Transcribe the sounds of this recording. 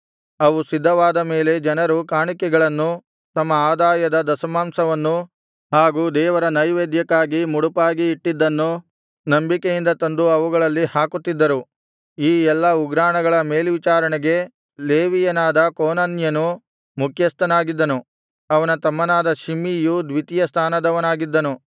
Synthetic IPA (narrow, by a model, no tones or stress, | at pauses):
ɐʋusid̪ʱːɐʋaːd̪ɐme̞ːle̞d͡ʒɐnɐɾukaːɳikɛɡɐɭɐnːu | t̪ɐmːɐaːd̪aːjɐd̪ɐd̪ɐsɐmaːmsɐʋɐnːu | ɦaːɡuːd̪ɛːʋɐɾɐnɐjʋeːd̪jɐkːaːɡimuɽupaːɡiːʈːid̪ːɐnːu | nɐmbikejind̪ɐt̪ɐnd̪uɐʋuɡɐɭɐlːihaːkut̪ːid̪ːɐɾu | iːɛlːɐuɡɾaːɳɐɡɐɭɐme̞ːlʋit͡ʃaːɾɐɳɛɡe̞ | leːʋijɐnaːd̪ɐkoːnanjɐnu | mukʰjɐst̪ɐnaːɡid̪ːɐnu | ɐʋɐnɐt̪ɐmːɐnaːd̪ɐʃimiːjud̪ʋit̪ijɐst̪ʰaːnɐd̪ɐʋɐnaːɡid̪ːɐnu